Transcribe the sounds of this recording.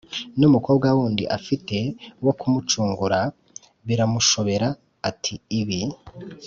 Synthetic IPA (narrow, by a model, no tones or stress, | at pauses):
numuko̞ːb̚ɡawuːndḭʔa̰fite̞wo̞kumut͡ʃuːŋɡuɾa | βiɾamuʃo̞βe̞ɾaː | tʰiːβi